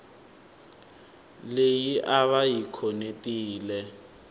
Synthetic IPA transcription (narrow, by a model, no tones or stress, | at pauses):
lejiʔaβajikʰɔnetʼiːlɛ